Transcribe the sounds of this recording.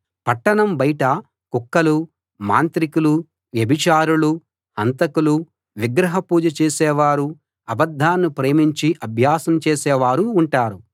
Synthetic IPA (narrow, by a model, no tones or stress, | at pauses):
pɐʈːɐɳɐmbɐjiʈɐ | kukːɐlu | ma̰ːnt̪ɾikulu | ʋjɐbʱit͡ʃaːɾulu | hɐnt̪ɐkulu | ʋiɡɾɐɦɐpuːd͡ʒɐt͡ʃeːsɛːʋaːɾu | ɐbɐd̪ʱːaːnːupɾeːmiɲt͡ʃiʔɐbʱjaːsɐmt͡ʃeːsɛːʋaːɾuːɳʈaːɾu